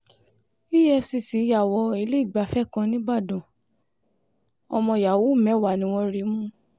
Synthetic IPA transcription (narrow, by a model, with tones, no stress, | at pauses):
i˦jɛ˦˧si˧˨si˨˦ja˦˨wɔ˨˧i˧le˦i˦˨ɡ͡ba˨˦fɛ˦˨kã˧nĩ˦ɡ͡ba˦˨dũ˨ | ɔ˧mɔ̃˧ja˨wo˨˦˨mɛ̃˨˦wa˨nĩ˨˦w̃ɔ̃˧ɾi˨˦mũ˦